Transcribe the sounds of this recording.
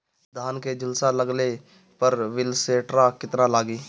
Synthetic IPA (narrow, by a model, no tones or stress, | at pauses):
d̪ʱaːnked͡ʒɪlsalɐɡle | pɐɾʋɪlseːʈɾakɪt̪nalaːɡiː